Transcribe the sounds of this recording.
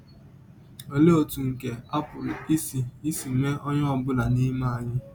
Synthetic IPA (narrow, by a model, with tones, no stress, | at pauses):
e˨le˦o˦˨tu˨ŋ̩˨ke˨a˦pʊ˨li˦si˨i˦si˨me˦ʔɔ˦ɲ˦ɔ˨bʊ˦la˨ni˦ma˦˨a˨ɲɪ˦